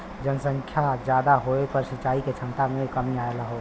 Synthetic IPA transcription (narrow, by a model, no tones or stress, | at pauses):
d͡ʒənsə̃ŋkʰjad͡ʒjad̪aɦoepəɾsit͡ʃaiket͡ʃʰənt̪amekəmiaelaɦo